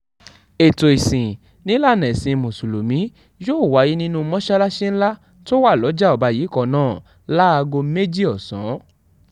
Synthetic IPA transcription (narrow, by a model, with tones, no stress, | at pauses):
e˨to˨i˨sĩ˨ | nĩ˦la˦˨nɛ̃˨sĩ˧˨mũ˨su˨lo˨mĩ˨˦ | jo˦˨wa˨˦ji˦nĩ˦nũ˦˧mɔ̃˦ʃa˦la˦ʃe˦n̩˦la˦ | to˦wa˦˨lɔ˨˦d͡ʒa˦ɔ˨ba˧ji˨˦kɔ˦˨nãː˦˨ | la˦a˧ɡo˧me˦d͡ʒi˦ɔ˨sɔ̃˨˦